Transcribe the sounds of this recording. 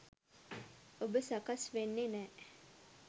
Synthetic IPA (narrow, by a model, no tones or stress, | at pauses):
obəsakasʋenːenɛː